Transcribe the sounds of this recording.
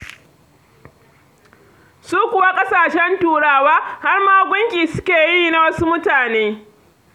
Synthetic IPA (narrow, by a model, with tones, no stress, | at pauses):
suː˦kʷʊ˨wa˦kʼɐ˦saː˨ʃɛ˦ntuː˦ɽaː˦waː˦ha˦rmaː˦ɡʷʊ˦ŋkʲiː˨sʊ˦kʲeː˨ji˦na˨wɐ˦su˦mʊ˦taː˨neː˦